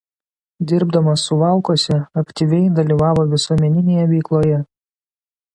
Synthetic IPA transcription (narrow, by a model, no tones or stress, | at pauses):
d̪ʲɪɾbd̪ɐmɐsːʊʋɑˑʊkoːsʲɛɐkʲt̪ʲiʋʲɛɪd̪ɐlʲiːʋɑːʋoːʋʲɪsuɔmʲɛnʲɪnʲeːjɛʋʲɛɪklˠoːjɛ